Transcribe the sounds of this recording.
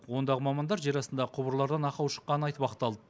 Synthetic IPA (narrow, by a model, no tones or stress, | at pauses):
wo̞nd̪ɑʁəmɑmɑnd̪ɑɾʒe̞ɾɑsənd̪ɑqʰʊbəɾlˠɑɾd̪ɑnɑqɑwʃə̥qːɑnənɑjt̪pɑqt̪ːɑlˠd̪ə